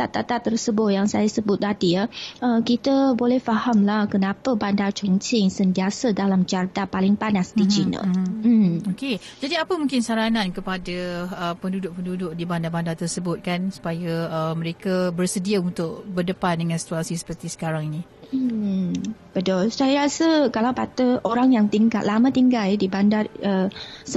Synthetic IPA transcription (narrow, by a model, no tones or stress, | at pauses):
t̪at̪at̪at̪ərsəbʊt̪̚jaŋsajasəbʊt̪̚tadiəəkit̪əbolɛhfahamlahkənapəbandat͡ʃɔŋt͡ʃɪŋsənt̪iasədalamt͡ʃart̪apalɪŋpanasdid͡ʒinə̰ | oke | d͡ʒadiapəmũŋkɪnsaɾanãnkəpadaəpəndudʊʔ̚pəndudʊʔ̚dibandabandat̪ərsəbʊt̪̚kansu̥pajaəmə̃ɾekabərsədiaunt̪ʊk̚bərdəpandəŋãnsi̥t̪uasisə̥pərt̪isə̥kaɾaŋinĩ | bədɔlsajaɾasəkalawbat̪əoɾaŋjaŋt̪iŋɡa̰llamə̃t̪iŋɡaldibandaəsə